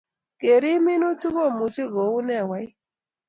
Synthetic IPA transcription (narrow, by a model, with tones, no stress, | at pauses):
ke˨ɾi˦mi˦nu˦tu˦ɣo˦˨mu˨t͡ʃi˦ɣo˨u˦nɛ˦˨wa˨˦i˦